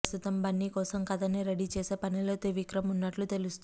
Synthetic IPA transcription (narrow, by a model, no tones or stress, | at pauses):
st̪ut̪ɐmbɐnːikɔːsɐmkɐd̪ɐniɾɐɽit͡ʃeːse̞ːpɐnilo̞ːt̪eʋikɾɐmunːɐʈlut̪e̞lust̪u